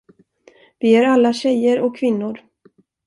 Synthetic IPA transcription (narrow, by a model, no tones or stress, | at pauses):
vɪæɾalːaɕɛjəɾɔkʰːvɪnːʊɾ